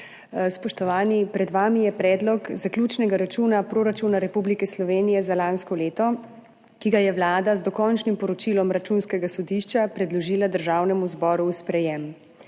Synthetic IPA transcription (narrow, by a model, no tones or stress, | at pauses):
spɔʃt̪ɔʋaːnipɾɛd̪ʋaːmijɛpɾɛːd̪lɔkzaklʲjuːt͡ʃnɛɡaɾat͡ʃuːnapɾoːɾat͡ʃunaɾɛpublikɛslɔʋeːnijɛzalaːnskɔleːt̪ɔ | kiɡajɛʋlaːd̪azd̪ɔkɔnt͡ʃnimpɔɾɔt͡ʃilɔmɾat͡ʃuːnskɛɡasɔd̪iʃt͡ʃapɾɛd̪lɔʒiːlad̪əɾʒaːwnɛmuzbɔːɾuːspɾɛjɛm